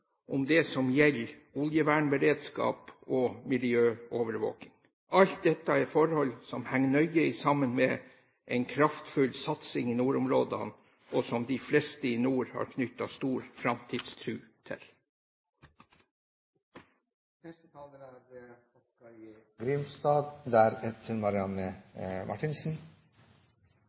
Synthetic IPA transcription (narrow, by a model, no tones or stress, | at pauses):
ʔʊmd̪ɛsɔmjɛl | ʊljəʋæːɳbəɾeːd̪skɑ̰ːpɔmɪlɪøːoːʋəɾʋo̰ːkɪŋ | ɑlt̪̚d̪ɛt̪ːɑɛfɔɾhɔlsɔmhæŋːnœʏəɪsɑmənmɛ | ʔɛɪnkʰɾɑft̪fʉlsɑt̪sɪŋɪnuːɾʊmɾoːd̪ɑ̰n | ɔsɔmd̪ɪflɛst̪əinuːɾhɑ̰ːɾkʰnʏt̪ːɑst̪uːɾfɾɑmt̪ʰiːd̪st̪ʰɾʉːt̪ʰɪ̰l | n | nɛst̪ət̪ʰɑːləɾæde | ɔkɑɾɡɾʏnst̪ɑːd̪d̪æːɾɛt̪ʰəɾmɑɾɪɑnəmʔɑ̰ʈʰɪnsn̩